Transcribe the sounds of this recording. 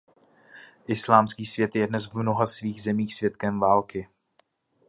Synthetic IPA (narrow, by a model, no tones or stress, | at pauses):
ʔɪslaːmskiːsvjɛt̪jɛdnɛsvmno̞ɦasviːɣzɛmiːxsvjɛt̪̚kɛmvaːlkɪ